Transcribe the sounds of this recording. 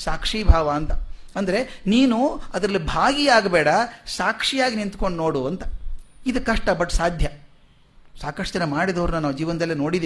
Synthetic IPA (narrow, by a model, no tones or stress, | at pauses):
saːkʂiːbʱaːʋɐːnt̪ɐ | ɐnd̪ɐɾe̞niːnuɐd̪ɐɾɐlːibʱaːɡiaːɡbɛːɽɐsaːkʂijaːɡinint̪ko̞ɳɖnoːɽuɐnt̪ɐ̥id̪ɐkːɐʂʈɐbɐʈːsaːd̪ʱjɐ | saːkɐʂʈd͡ʒɐnːɐmaːɽid̪ɐʋɾnunaːʋd͡ʒiːʋɐnd̪ɐlːenoːɽid̪